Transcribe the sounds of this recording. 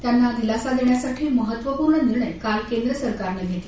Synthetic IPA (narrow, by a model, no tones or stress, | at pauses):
t̪janːad̪ilasad̪eɳjasaʈʰiːməɦət̪ʋəpuɾɳəniɾɳəjkalkend̪ɾəsəɾkaɾneɡʱet̪e